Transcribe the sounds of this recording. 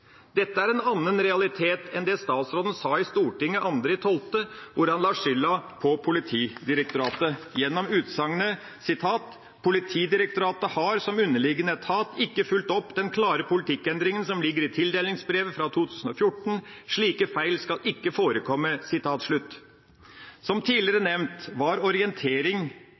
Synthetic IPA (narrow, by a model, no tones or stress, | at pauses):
d̪̥ɛt̪ːəæɾɛnɑnːənɾɛɑlɪt̪ʰeːt̪ɛnd̪ɛst̪ɑːt̪sɾoːd̪n̩sɑːɪst̪uːʈɪŋːəʔɑnd̪ɾɪt̪ʰɔlt̪əʋʊɾɑnlɑːʂʏlːɑpʰɔpʰʊlɪt̪ʰiːd̪ɪɾək̚t̪ʊɾɑːt̪əjɛnːɔmʉːt̪sɑŋənə | sɪt̪ʰɑːt̪ | pʰʊlɪt̪ʰiːd̪ɪɾək̚t̪ʊɾɑːt̪əhɑɾsɔmʉnːəlɪɡənət̪ʰɑːt̪ɪkːəfʉlt̪ɔpːd̪ɛnkʰlɑːɾəpʊlɪt̪ʰɪkːɛnd̪ɾɪŋənsɔmlɪɡːəɾɪt̪ʰɪld̪eːlɪŋsbɾeːʋəfɾɑt̪ʰuːt̪ʰʉːsən̩ɔfjʊʈːɳ̩ʂɭiːkəfæɪlskɑlʔɪkːəfoːɾəkʰɔmːəsɪt̪ʰɑːt̪ʂɭʉt̪ː | sɔmt̪ʰiːlɪɾənɛʋnt̪ʋɑɾɔɾɪɛnt̪ʰeːɾɪŋ